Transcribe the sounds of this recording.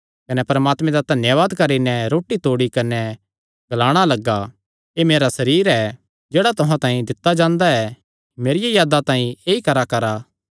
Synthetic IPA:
kɐnɛpɐɾɐmaːt̪mɛ̃d̪ad̪ʱɐnjəʋaːd̪kɐɾinɛɾoːʈit̪oːɽikɐnɛ | ɡɐlaːɽ̃alɐɡa | emeːɾasɐɾiːɾɛ | d͡ʒeːɽat̪ʊɦãt̪ãːĩd̪ɪt̪ːad͡ʒãːnd̪aɛ | meːɾɪjajaːd̪at̪ãːĩeːikɐɾakɐɾa

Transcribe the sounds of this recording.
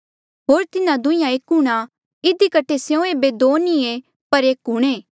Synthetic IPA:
ɦoːɾt̪ɪnãd̪ʊ̃ɪ̃jãeːkɦʊɽ̃a | ɪd̪ikɐʈʰesjõeːbed̪oːnie | pɐɾeːkɦuɽ̃eː

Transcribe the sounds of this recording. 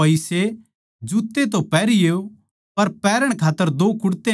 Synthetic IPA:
ɐise | d͡ʒuːt̪ːet̪̬opɛːɾijeːo | pɐɾpɛːɾəɽ̃kʰaːt̪ːəɾd̪oːkʊɽt̪e

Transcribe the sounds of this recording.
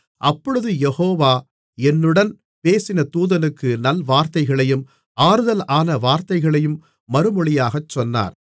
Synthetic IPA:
ʔɐpːɔɻɯðɯjɛhoːʋaː | ɛnːɯɽɐn | peːsɪnɐt̪uːðɐnɯkːɯnɐlʋaːɾt̪ɐɪɣɐɭɐjɯm | ʔaːɾɯðɐlaːnɐʋaːɾt̪ɐɪɣɐɭɐjɯmː | ɐɾɯmɔɭɪjaːɣɐt͡ʃːɔnːa̰ːɾ

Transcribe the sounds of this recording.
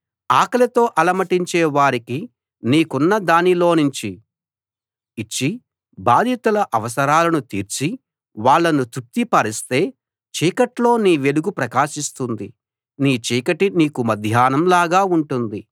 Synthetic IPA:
aːkɐlɐt̪o̞ːʔɐlɐmɐʈiɲt͡ʃeːʋaːɾiki | niːkunːɐd̪aːnilo̞ːnuɲt͡ʃi | t͡ʃːi | baːd̪ʱit̪ulɐʔɐʋɐsɐɾaːlɐnut̪ḭːɾt͡ʃi | ʋaːɭːɐnut̪up̚t̪ipɐɾist̪e̞ː | t͡ʃiːkɐʈlo̞ːniːʋe̞luɡupɾɐkaːʃist̪und̪i | niːt͡ʃiːkɐʈiniːkumɐd̪ʱjaːnɐmlaːɡaːuɳʈund̪i

